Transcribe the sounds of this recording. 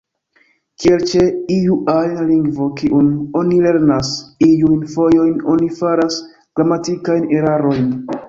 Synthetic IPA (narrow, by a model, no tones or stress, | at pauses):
kielt͡ʃe̞ijuʔajnliŋɡvo̞kiʔuno̞nile̞ɾnasijujnfo̞jo̞jno̞nifaɾas | ɡ̥ɾamatikajne̞ɾaɾo̞jn